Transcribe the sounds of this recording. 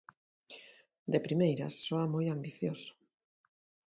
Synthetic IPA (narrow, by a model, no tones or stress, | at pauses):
d̪epɾimejɾa̰sːoamojambiθjosʊ̥